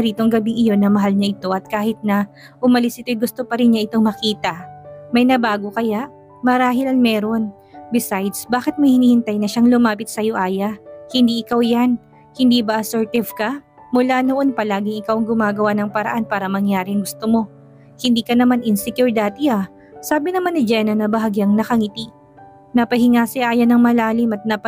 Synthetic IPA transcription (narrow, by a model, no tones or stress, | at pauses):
ɾiːt̪oŋɡɐbiʔɪjo̞nːɐmɐɦalɲɐʔɪt̪o̞ʔɐt̪̚kaːhɪt̪̚nɐ | ʔʊmɐlɪsʔɪt̪ojɡʊst̪o̞pɐɾɪnɲaʔɪt̪o̞ŋmɐkiːt̪ɐmɐjnɐbaːɡokɐjaʔ | mɐɾaːɦɪlɐŋmɛːɾo̞n | bɪsajd̪sbaːkɪt̪̚mɐjhɪniːhɪnt̪ajnɐʃaŋlʊmaːpɪt̪̚sɐjoʔaːjɐhɪnd̪iːʔɪkawjan | hɪnd̪iːbɐʔɐsɛɹt̪ɪvkɐ | mʊlaːnoʔo̞npɐlaːɡɪŋɪkawɐŋɡʊmaːɡɐwanɐŋpɐɾɐ̰ʔanpaːɾɐmɐŋjaːɾɪŋɡʊst̪omo̞ | hɪnd̪iːkɐnɐmanʔɪnsɛkjuɹd̪at̪ɪa | saːbɪnɐmanːɪd͡ʒɛnɐnɐbɐɦaɡjɐŋnɐkɐŋɪt̪i | nɐpɐhɪŋaːsɪʔaːjɐnɐŋmɐlaːlɪmɐt̪̚nɐp